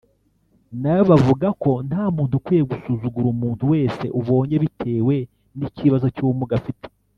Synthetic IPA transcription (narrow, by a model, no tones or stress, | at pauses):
najoβavuɡako̞nhaːmuːntukwijeɡusuːzuɡuɾumuːntuwe̞ːse̞̰ʔuβo̞ːɲe̞βitʰe̞ːwe̞ | niciβazo̞cuːmuɡafitʰe̥